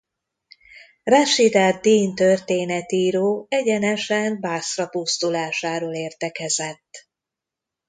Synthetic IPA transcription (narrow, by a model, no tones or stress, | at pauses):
raʃid̪aːd̪̚iːnt̪ørt̪eːnɛt̪iːɾoːɛɟɛnɛʃɛnbaːsrɒpust̪ulaːʃaːɾoːleːrt̪ɛkɛzɛt̪ː